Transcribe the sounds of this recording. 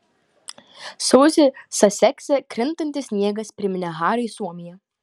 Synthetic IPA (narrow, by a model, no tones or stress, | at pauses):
soːzʲɪsɐsʲɛkʲsʲɛkɾʲɪnt̪ɔnʲt̪ʲɪsʲnʲiɛɡɐspʲɾʲɪmʲɪnʲɛɦɑːɾɐisuɔmʲɪjɛ